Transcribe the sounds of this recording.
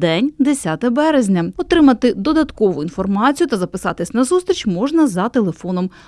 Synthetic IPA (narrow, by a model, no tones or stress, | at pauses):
d̪ɛnʲd̪esʲat̪ɛbɛɾezʲnʲɐɔt̪ɾɪmɐt̪ɪd̪ɔd̪ɐt̪kɔʋʊinfɔrmɑt͡sʲijʊt̪ɐzɐpɪsɑt̪ɪsʲnɐzust̪ɾʲit͡ʃmɔʒnɐzɐt̪elˠefɔnɔm